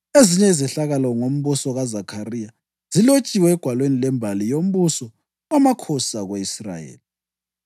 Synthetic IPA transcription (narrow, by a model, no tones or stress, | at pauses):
eziɲɛizɛɬaɣalɔŋom̩βusɔɣazakʰarija | z̥ilot͡ʃʼiwɛːɡ̥ʱwalwenilɛmbʱalijom̩βusɔ | amakʰɔsaɣweisra̰jḛːli